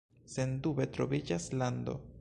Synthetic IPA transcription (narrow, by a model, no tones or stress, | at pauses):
se̞ndube̞tɾo̞vid͡ʒaslando̞̰